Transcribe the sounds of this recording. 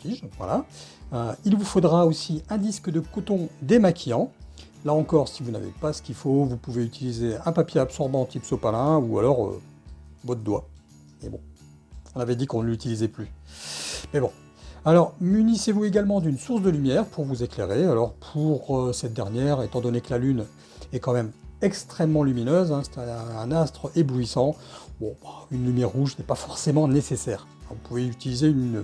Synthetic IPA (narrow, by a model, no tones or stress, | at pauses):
fiʒvwa̰laøilvufod̪ʁaosiɛ̃d̪iskd̪əkot̪ɔ̃d̪emakʰʲijɑ̃ | laɑ̃kɔʁsivuna̰vḛpasə̥kʲifovupuveyt̪ilizeɛ̃papjeapsɔʁbɑ̃t̪ipsopalɛ̃ua̰lɔʁø̰ | bɔt̪d̪wa̰ | ebɔ̰̃ | ɔ̃navɛd̪ikɔ̃nəlyt̪ilizɛply | mɛbɔ̃ | alɔʁmynisevueɡalmɑ̃d̪ynsuʁs̬d̪əlymjɛʁpuʁvuzekleʁealɔʁpʰuʁøsɛt̪̚d̪ɛʁnjɛʁet̪ɑ̃d̪ɔnekəlalyn | ɛkɑ̃mɛmɛkst̪χɛmːɑ̃lyminøzɛ̃se̥t̪ɛɛ̃ːnast̪χəebluisɑ̃bɔ̃baynlymjɛʁːuʒsnɛpafɔʁsemɑ̃nesesɛːʁ | ɛ̰̃vupuveyt̪ilizeyn